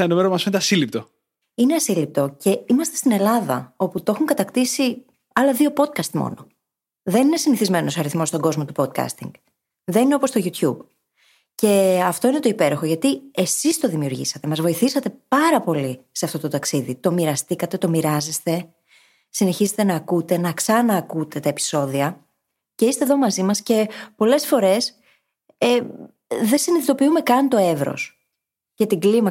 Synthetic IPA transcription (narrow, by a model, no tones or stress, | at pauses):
enomeɾomɐsint̪eɐsilip̚t̪o̞ | ineɐsilip̚t̪o̞ce̞imɐst̪est̪ine̞lɐðɐ̰o̞put̪oo̞xuŋkɐt̪ɐkt̪isi | ɐlɐðio̞po̞t̪̚kɐst̪mo̰no̞ | ðe̞nine̞siniθizme̞no̞sɐɾiθmo̞st̪o̞ŋɡo̞zmo̞t̪upod̪̚kɐ̰st̪ḭŋɡ | ðe̞nineopo̞st̪o̞ʝut̪çub | ce̞ɐft̪o̞ine̞t̪o̞ipe̞ɾo̞xo̞ʝɐt̪ie̞sist̪o̞ðimiuɾʝḭsɐt̪e̞mɐzvo̞iθisɐt̪e̞pɐɾɐpo̞lise̞ɐft̪o̞t̪o̞t̪ɐksiðit̪o̞miɾɐst̪ikɐt̪e̞t̪o̞miɾɐze̞st̪e̞ | sine̞çiset̪e̞nɐːkut̪e̞nɐksɐnɐːkut̪e̞t̪ɐe̞pi̥so̞ðiɐ | ce̞ist̪e̞ðo̞mɐzimɐsce̞po̞le̞sfo̞ɾe̞s | e | ðe̞siniðit̪o̞piume̞kɐnt̪o̞e̞vɾo̰s | ce̞t̪iɡlimɐ